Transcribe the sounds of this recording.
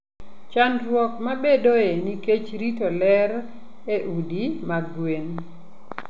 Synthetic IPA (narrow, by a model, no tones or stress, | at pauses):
t͡ʃanɾwɔkmabedoeniket͡ʃɾitolɛɾ | eʔudimaɡwen